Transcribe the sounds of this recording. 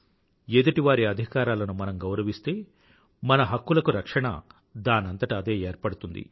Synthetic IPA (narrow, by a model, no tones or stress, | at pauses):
eːd̪ɐʈiʋaːɾiɐd̪ʱikaːɾaːlɐnumɐnɐmɡɐwɾɐʋist̪e̞ː | mɐnɐɦɐkːulɐkuɾɐkʂɐɳɐ̰ | d̪aːnɐnt̪ɐʈaːd̪e̞ːeːɾpɐɽut̪und̪ḭ